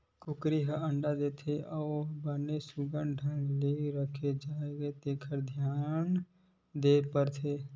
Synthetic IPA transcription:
kʊkɾiɦəə̃ɳɖad̪eːt̪ʰeʔɔːbənesʊɡəɳɖʱənleːɾəkʰed͡ʒaːeɡet̪eːkʰəɾd̪ʱjaːn | d̪eːpəɾt̪ʰeː

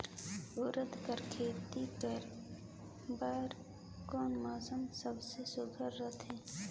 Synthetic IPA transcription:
ʊːɾəd̪kəɾkʰeːt̪ikəɾ | baːɾ | kɔːnmaːsəmsəbsesʊɡʱəɾːət̪ʰɦɛ̃ː

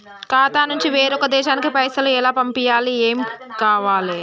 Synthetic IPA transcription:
kaːt̪aːnuɲt͡ʃiʋeːɾɔkɐd̪ɛːʃaːnikipɐjsɐluɛlaːpɐmpijaːlieːmikaːʋaːli

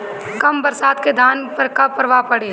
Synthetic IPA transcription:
kɐmbɐɾsaːd̪ked̪ʱaːnpəkapɐɾʋapɐɽe

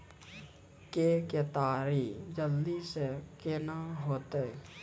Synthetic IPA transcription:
keket̪aːɾid͡ʒəld̪isekenaɦoːt̪e

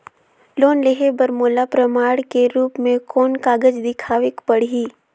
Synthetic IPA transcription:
loːnleɦebɐɾmoːlapɾəmaːɽkeɾuːpmẽkɔːnkaːɡəd͡ʒd̪ɪkʰaːʋɪkpəɽ̤ɦiː

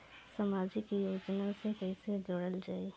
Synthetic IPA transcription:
samaːd͡ʒikijoːd͡ʒnasepɛɦɪsed͡ʒoːɽəld͡ʒaːe

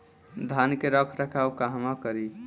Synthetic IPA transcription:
d̪ʱankeɾəkʰɾəkʰawkaɦmakəɾi

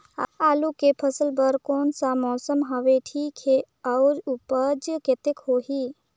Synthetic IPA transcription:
aːlukepʰəsəlbəɾkoːnsamɔːsəmɦaʋeʈʰiːkɦe | ɐʊɾupəd͡ʒket̪ekhoːɦiː

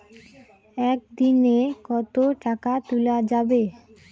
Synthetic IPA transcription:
ɛk̚d̪inekɔt̪oʈakat̪ulad͡ʑabe

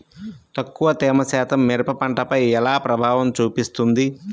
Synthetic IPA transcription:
t̪ɐkːuʋɐt̪ɛːmɐsaːt̪ʰɐmːɛɾpɐpɐɳʈɐpɐjɛlaːpɾɐbʱaːʋɐmt͡ʃuːpist̪und̪i

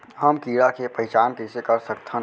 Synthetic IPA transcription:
ɦɐmkiːɾakepɐɦɪt͡ʃaːnkesekɐɾsɐkt̪ʰə̃

